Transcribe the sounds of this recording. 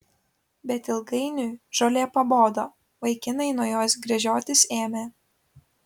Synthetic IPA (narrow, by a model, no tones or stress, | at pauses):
bʲɛt̪ɪlˠɡɐɪnʲuːʒoːlʲeːpɐboːd̪oː | ʋɐɪkʲɪnɐɪnuɔjoːsɡɾʲɛʒʲoːt̪ʲɪseːmʲeː